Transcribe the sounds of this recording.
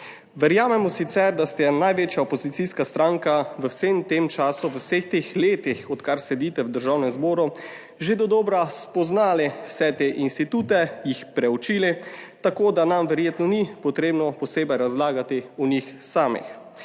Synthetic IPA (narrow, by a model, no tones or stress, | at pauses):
ʋɛɾjaːmɛmɔsit̪sɛɾd̪ast̪ɛnajʋeːt͡ʃjaopozit̪siskast̪ɾaŋkaʋəwsemt̪emt͡ʃaːsuʋəwsext̪exleːt̪ixɔt̪kaɾsɛd̪iːt̪ɛwd̪əɾʒawnɛmzboːɾu | ʒed̪ɔd̪ɔːbɾaspɔznaːliwsɛt̪eʔinst̪it̪uːt̪ɛjixpɾɛut͡ʃiːlit̪akoːd̪anamʋɛɾjeːt̪nɔnipɔt̪ɾeːbnɔpɔseːbɛjɾazlaːɡat̪iunixsaːmḭx